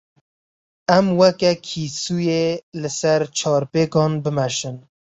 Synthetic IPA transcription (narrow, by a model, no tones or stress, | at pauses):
ɛmwɛkɛkʰiːsujelɨsɛɾt͡ʃʰɑːɾpeːkɑːnbɨmɛʃɨn